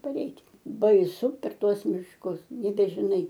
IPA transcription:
pɐˈrʲɛɪtʲ bɐɪˈsʊ pʲɛr ˈtuɔs mʲɪʃˈkʊs nʲɛbʲɛʒʲɪˈnɐɪ

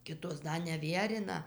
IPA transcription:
ˈkʲɪtoːs ˈdɐ nʲɛˈʋʲiɛrʲɪnɐ

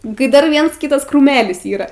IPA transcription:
kɐɪ ˈdɐr ˈʋʲiɛns ˈkʲiːtɐs krʊˈmʲæːlʲɪs iːˈrɐ

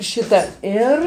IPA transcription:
ˈʃʲɪtɐ ˈɪr

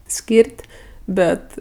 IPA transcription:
ˈsʲkʲiːrʲtʲ ˈbʲɛt

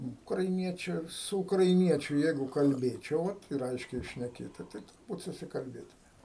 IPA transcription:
ʊkrɐɪˈnʲiɛt͡ʃʲʊ sʊ ʊkrɐɪˈnʲiɛt͡ʃʲʊ ˈjɛɪɡʊ kɐlʲˈbʲeːt͡ʃʲɛʊ ˈʋɐ ɪr ˈɐɪʃʲkʲɛɪ ʃʲnʲɛˈkʲeːtʊ tɐɪ tʊrˈbuːt sʊsʲɪkɐlʲˈbʲeːtʊmʲeːm

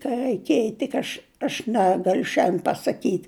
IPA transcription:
kɐ rɐɪˈkʲeːj tʲɪk ˈɐʃ ɐʃ ˈnʲæːɡɐlʲʊ ʃʲɛnʲdʲeːn pɐsɐˈkʲiːtʲ

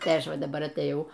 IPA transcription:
tɐɪ ˈɐʃ ˈʋɐ dɐˈbɐr ɐtʲeːˈjɛʊ

